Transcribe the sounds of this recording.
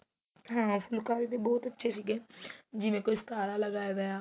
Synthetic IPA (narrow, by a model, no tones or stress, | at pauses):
ɦãːpʰʊlkaːɾiːd̪eːbɔːt̪ətːʃʰeːsiːɡeːd͡ʒɪʋẽːkoist̪aːɾaːləɡaːeɡaaː